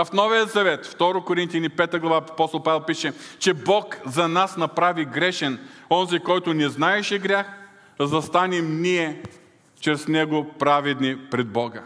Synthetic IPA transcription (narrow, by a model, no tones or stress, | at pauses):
ɐfnɔvijəzɐvɛt̪ft̪ɔɾokoɾint̪jɐnipɛt̪əɡlˠɐvaɐpɔst̪olˠpavɛlˠpiʃɛt͡ʃɛbɔkzɐnasnɐpɾaviɡɾɛʃɛnɔnzikɔjt̪ʊnɛznaɛʃɛɡɾʲjax | zɐst̪anɛmniɛ | t͡ʃɾɛsnɛɡopɾavɛd̪nipɾɛd̪̚bɔɡə